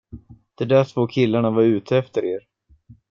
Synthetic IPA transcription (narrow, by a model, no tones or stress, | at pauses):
d̪̥ɛd̪æːʈʰvoːkʰɪlːaɳavaɾʉ̟ːt̪ʰəɛft̪əɾeːɾ